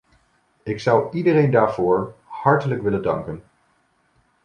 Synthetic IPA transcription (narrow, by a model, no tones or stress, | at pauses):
ɪksʌwidərejndaːɹv̥ʊːɹhɑɹtələkʋɪləndɑ̰ŋkən